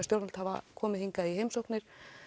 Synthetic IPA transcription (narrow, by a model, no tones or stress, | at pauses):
st̪jowɾalt̪hava̰kʰɔːmɪðhiŋkaðiɦejmsowknɪɾ̥